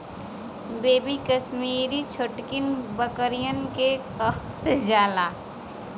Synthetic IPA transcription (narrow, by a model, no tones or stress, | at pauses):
beːbikəsmiːɾit͡ʃʰʊʈkɪnbəkəɾijənkekəxt̪d͡ʒaːlaː